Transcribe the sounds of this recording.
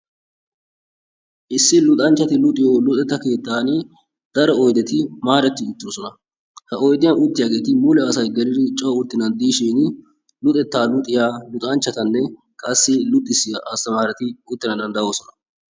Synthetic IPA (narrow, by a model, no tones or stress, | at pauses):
ʔɪsːɪlʊt̪ʼɐnt͡ʃːɐt̪ɪlʊt̪ʼɪjoːlʊt̪ʼɛt̪ːɐke̞ːt̪ːaːnɪ | d̪ɐɾɔɔjd̪ɛt̪ɪmaːɾɛt̪ːɪʊt̪ːɪjɔsɔnɐ | hɐʔɔjd̪ɪjɐnʊt̪ːɪjaːɡe̞ːt̪ɪmʊlɛːsɐjɡɛɾɪd̪ɪt͡ʃʼɔwʊɾt̪ːɪnɐnd̪iːʃiːnɪ | lʊt̪ʼɛt̪ːaːlʊt̪ʼɪjaːlʊt̪ʼɐnt͡ʃːɐt̪ɐnːɛ | kʼɐsːɪlʊt̪ʼːɪsːɪjɐʔɐst̪ɐmaːɾɛt̪ɪʊt̪ːɪnɐd̪ɐnd̪ɐjoːsɔnɐ